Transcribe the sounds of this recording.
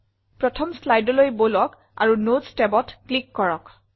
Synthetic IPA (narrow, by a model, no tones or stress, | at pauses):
pɹɔtʰɔmslajdɔlojbolɔk | a̰ɹunotstɛbɔtklikːɔɹɔk